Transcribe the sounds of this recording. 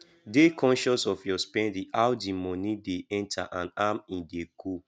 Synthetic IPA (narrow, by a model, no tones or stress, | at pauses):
dekʰɔ̃nʃɔsɔfjɔspɛ̃ndĩawdimɔnideɛ̃ntʰa̰ʔãnamĩndekʰu